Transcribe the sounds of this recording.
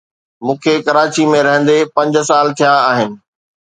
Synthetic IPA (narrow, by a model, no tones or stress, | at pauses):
mũːkʰekɐɾaːt͡ɕimẽɾɐɦə̃nd̪epɐ̃ɲd͡ʑ̆saːlt̪ʰijãaːɦɪnɪ̆